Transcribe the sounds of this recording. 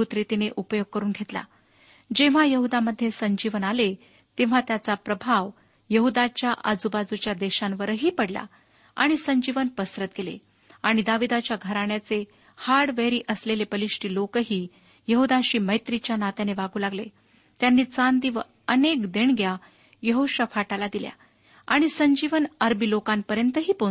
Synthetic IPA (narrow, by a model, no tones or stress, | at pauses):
ut̪ɾit̪ineʔupəjoɡ̚kəɾuːnɡʱet̪la̰ | d͡ʑeʋ̤ajəɦud̪aməd̪ʱːjesəɲd͡ʑiʋənale | t̪eʋ̤at̪jat͡sapɾəbʱaʋ | jəɦud̪at͡ɕjaʔad͡zubad͡zut͡ɕjad̪eɕãnʋəɾəɦiːpəɽla̰ | a̰ɽ̃isəɲd͡ʑiʋənpəsɾət̪̚ɡelḛ | aɽ̃id̪aʋid̪at͡ɕjaɡʱəɾaɳjat͡se | haɽʋeɾiːʔəslelepəliʂʈiːlokɦiː | jəɦud̪aɕiːməjt̪ɾit͡ɕjanat̪aneʋaɡũːlaɡle | t̪janːiːt͡sand̪iʋə | ənekd̪eɳɡja | jəɦoɕəfaʈalad̪ilja̰ | aɽ̃isəɲd͡ʑiʋənəɾbiːlokanpəɾjənt̪əɦiːpo